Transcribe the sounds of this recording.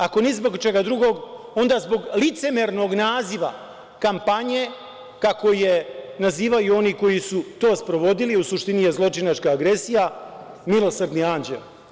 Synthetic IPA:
ako̞nɛzbo̞ɡt͡ʃe̞ɡad̪ɾuɡo̞ɡ | o̞nd̪aːzbo̞ɡlit̪se̞meɾno̞ɡnaːziʋa̰ | kampaɲe̞ | kako̞je̞naziːʋajuo̞niːko̞jisut̪o̞ːspɾo̞ʋo̞d̪iliusuʃt̪inijezlˠo̞t͡ʃinat͡ʃkaːɡɾe̞sijamilˠo̞srd̪niaːnd͡ʑḛl

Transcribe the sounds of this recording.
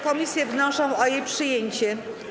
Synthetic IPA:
kɔmʲisʲjɛvnɔʂɔ̃w̃ɔjejpʂɘjeɲt͡ɕɛ

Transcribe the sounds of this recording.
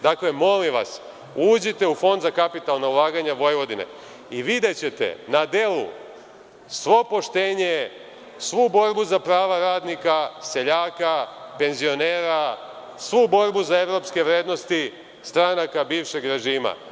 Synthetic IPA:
d̪akle̞mo̞limʋa̰s | uːd͡ʑit̪e̞ufo̞nd̪zakapit̪alˠnaulˠaːɡaɲaʋo̞jʋo̞d̪inḛ | iʋid̪et͡ɕe̞t̪ḛnad̪e̞lṵ | sʋo̞po̞ʃt̪e̞ːɲe̞ | sʋubo̞ɾbuzapɾaːʋaɾaːd̪nikase̞ʎaːkape̞nzio̞ne̞ːɾa | sʋubo̞ɾbuzae̞ʋɾo̞pske̞ʋɾeːd̪no̞st̪i | st̪ɾanakabiːʋʃe̞ɡɾe̞ʒiːma̰

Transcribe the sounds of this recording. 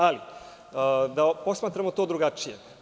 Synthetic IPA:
ali | d̪apo̞smaːt̪ɾamot̪oːd̪ɾuɡat͡ʂijḛ

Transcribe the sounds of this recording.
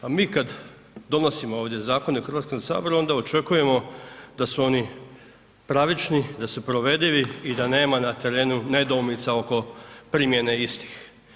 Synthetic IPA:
amiːkad̪ | d̪o̞no̞simoo̞ːʋd̪je̞zaːko̞neuxɾʋaːt̪kosa̰ːbo̞ɾuo̞nd̪ao̞t͡ʃe̞kuje̞mo̞d̪asuo̞ni | pɾaʋit͡ʃnid̪asupɾo̞ʋe̞d̪iʋiːd̪ane̞ːmanat̪e̞ɾe̞ːnune̞d̪omnit̪sao̞ko̞pɾimje̞ne̞ist̪i̥x

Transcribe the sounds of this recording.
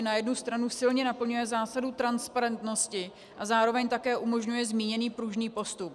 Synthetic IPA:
najɛdnust̪ɾanusɪlɲɛnapl̩ɲujɛzaːsadut̪ɾanspaɾɛnt̪no̞scɪ | ʔazaːɾo̞vɛɲt̪akɛːʔumo̞ʒɲujɛzmiːɲɛniːpɾuʒniːpo̞st̪up̚

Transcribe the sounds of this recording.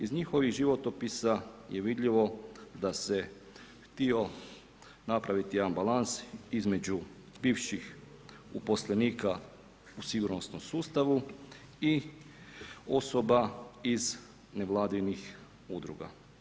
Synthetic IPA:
izɲixo̞ʋiɣʒiʋot̪opisajeʋid̪ʎiʋo̞d̪ase̞ | xt̪io̞ | napɾaʋit̪ijambalansizme̞d͡ʑu | biːʋʃix | upo̞sleniːka | usiɡuɾno̞snomsuːst̪aʋu | i | o̞so̞baiz | ne̞ʋlˠaːd̪inix | ud̪ɾṵɡa̰

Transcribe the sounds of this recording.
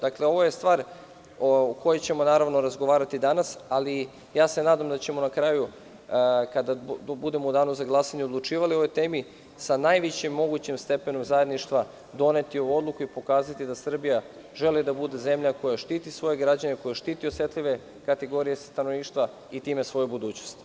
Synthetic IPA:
d̪̥akle̞o̞ʋo̞je̞st̪ʋaːɾ | uko̞jet͡ɕe̞mo̞naːɾaʋno̞ɾazɡo̞ʋaːɾat̪id̪anasali | jaːse̞naːd̪amd̪at͡ɕe̞mo̞nakɾaju | kad̪abud̪e̞moud̪aːnuzaɡlˠasaɲeod̪lˠut͡ʃiːʋalio̞ʋojt̪e̞ːmi | sanajʋit͡ɕemːo̞ɡut͡ɕimst̪e̞pe̞no̞mzaje̞d̪niʃt̪ʋa | d̪o̞ne̞t̪io̞uo̞d̪lˠukuipo̞kaːzat̪id̪asr̩bija | ʒe̞lid̪abud̪e̞ze̞mʎako̞jaʃt̪iːt̪isʋo̞jeɡɾad͡ʑaneko̞jeʃt̪iːt̪iosʋe̞t̪liʋe̞ | kat̪eɡo̞ɾije̞st̪anoʋniːʃt̪ʋa | it̪iːmesʋo̞jubud̪uːt͡ɕnost̪

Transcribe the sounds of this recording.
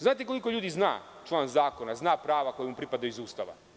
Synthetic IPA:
znaːt̪eko̞liko̞ʎuːd̪izna̰ːt͡ʃlˠaːnzaːkonaznaːpɾaːʋako̞jmupɾipad̪auizuːst̪aʋa̰

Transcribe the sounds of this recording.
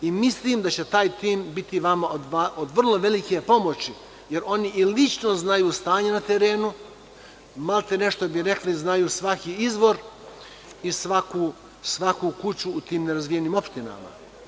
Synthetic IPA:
imisliːmd̪at͡ɕet̪aːjt̪iːmbit̪iʋamaod̪aod̪ʋr̩lˠo̞ʋe̞likepo̞mo̞t͡ɕi | je̞ɾo̞niʔilit͡ʃno̞znajuːst̪aːɲenat̪eɾeːnu | malt̪ene̞ʃt̪o̞biɾe̞kliznajuːsʋakiizʋo̞ɾ | isʋakuː | sʋakuːkut͡ɕuːt̪iːmneɾazʋijeniːmo̞pʃt̪ina̰ma̰

